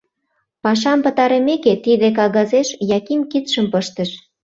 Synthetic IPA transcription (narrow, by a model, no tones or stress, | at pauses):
pɑʃ̬ɑmpə̆t̪ɑɾemeket̪id̪ek̬ɑɣɑzeʃjɑkimkit̪ʃəmpəʃt̪ə̆ʃ